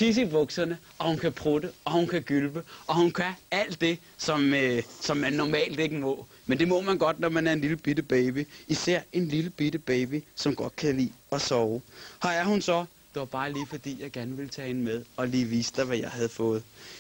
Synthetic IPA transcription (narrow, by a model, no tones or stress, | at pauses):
t͡sʰis̬iʋɔ̽ɡ̥sɐnə | ʔɒ̽hunkʰæpʰʁud̥eɒ̽hunkʰæɡ̥ylb̥əʔɒ̽hunkʰææl̰d̥e̝ | sɒ̽møsɒ̽mːænːɒmɛ̰ːld̥e̝ɡ̥əmɔ̰̽ː | mend̥e̝mɔ̽mænɡ̥ɒ̽d̥nɒmænæɐe̝nliləb̥id̥əb̥ɛɪb̥iʔisæɐ̰e̝nliləb̥iɾ̥əb̥ɛːb̥isɒ̽mɡ̥ɒ̽d̥̚kʰælḭːɒ̽sɒːʊhɑæɐhunsɒ̽ | d̥e̝ʋɑ̈b̥ɑ̈ːliːfɒ̽d̥ḭːjɑ̈ɪɡ̥æɐnəʋe̝lt͡sʰɛ̰ːhenəmeð̞ˠɒ̽liːʋiːsə̥d̥ɑ̈ɪʋæjɑ̈ɪɦæð̞̩ˠfɔ̽ːð̞̩ˠ